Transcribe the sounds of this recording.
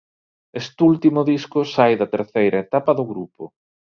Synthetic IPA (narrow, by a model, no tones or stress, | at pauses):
est̪ult̪imʊðiskʊsajðɐt̪eɾθejɾʔɐet̪apɐðʊɣɾupʊ